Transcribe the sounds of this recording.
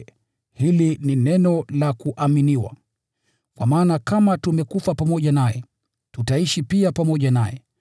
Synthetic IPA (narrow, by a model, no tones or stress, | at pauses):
hilininɛnɔlakuʔaminiwa̰ | kwamaːnakamatumɛkufapamɔʄanajɛ | tutaiʃipiapamɔʄanajɛ